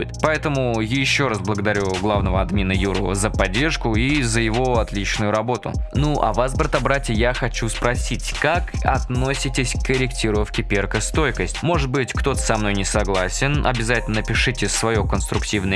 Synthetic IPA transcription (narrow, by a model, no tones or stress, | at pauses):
ɪt̪pɐɛt̪əmʊjɪɕːo̞ɾasblˠəɡəd̪ɐɾʲuɡlˠavnəvəɐd̪mʲinəjuɾʊvə̰zəpɐdʲːe̞rʂkʊizəjɪvo̞ɐt̪lʲit͡ɕnʊjʊɾɐbo̞t̪ʊ̰nuʔɐ̰vasbɾət̪ɐbɾatʲəjaxɐt͡ɕuspɾɐsʲitʲkakɐt̪no̞sʲɪtʲɪsʲkkəɾʲɪktʲiɾʊəfkʲɪpʲerkəst̪o̞jkəsʲtʲmo̞ʐɨt̪̚bɨtʲkt̪o̞t̪ə̥sɐmno̞jnʲɪsɐɡlˠasʲɪnʔɐ̰bʲɪzatʲɪlnənəpʲɪʂɨtʲɪsvɐjokənst̪ɾʊktʲivnə